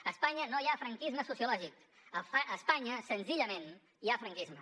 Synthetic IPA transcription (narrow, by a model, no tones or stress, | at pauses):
əspaɲənojafɾəŋkizməsusjulɔʒik | əʔəspaɲəsənziʎəmen | iafɾəŋkizmə